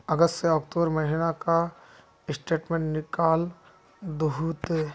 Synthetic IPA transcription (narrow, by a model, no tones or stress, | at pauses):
əɡəst̪seɔːkʈoːbəɾmɐɦinaka | ɪsʈeːʈmẽːɳʈnɪkaːl | d̪uɦuːt̪e